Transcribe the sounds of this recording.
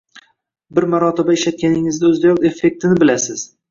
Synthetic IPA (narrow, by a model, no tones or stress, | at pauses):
bɪɾmaɾɒt̪ʰɪbaɪʃat̪̚kʲʰanɪŋɪzd̪aɵzd̪ajɒt̪e̞fːe̞k̚ʲt̪ʰɪnɪbɪlasɪz̥